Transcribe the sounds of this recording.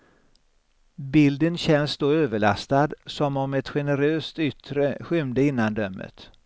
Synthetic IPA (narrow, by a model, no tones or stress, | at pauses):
bɪld̪ənɕɛnsd̪oːøːvəɭa̰st̪ad̪sɔmɔmɛt̪ɧɛnəɾøːst̪ʏt̪ɾəɧʏmd̪əɪnːand̪œmːə̰t̪